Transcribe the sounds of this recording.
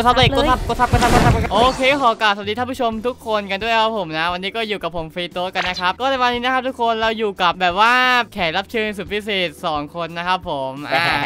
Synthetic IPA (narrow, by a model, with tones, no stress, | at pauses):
o˥˩t̪̚sʰa˦˥da˧˨oː˧˥˩t̪sa˦˥p̚ko˥˩t̪̚sa˦˥pko˧t̪sa˦˥pko˧˥sʰa˥pkːʰa˥˩ʔoː˧kʰeː˧kːkʰɔː˩˦ka˨˩p̚sa˨˩iː˧tʰaː˥˩pʰu˥˩o˧mt̪ʰu˦˥kʰːo˧nka˧ndu˥˩əkʰa˦˥pʰːo˩˦mna˦˥wa˧nːiː˦˥kɔː˥˩juː˨˩ka˨˩pʰːo˨˩˦mfiː˧t̪oː˦˥ka˧nːa˦˥kʰa˦˥p̚kɔː˥˩aː˧˥˩waː˧niː˦˥na˦˥kʰa˦˥t̪ʰu˦˥kʰːo˧nlɛː˦˥wjuː˨˩ka˨˩p̚bɛː˨˩p̚waː˥˩kʰɛː˩˦nla˦˥p̚t͡ɕʰɯː˧ns̬u˨˩i˦˥seː˨˩t̪̚sɔː˩˦ŋkʰo˧nːa˦˥kʰa˦˥pʰːo˩˦mʔaː˧˩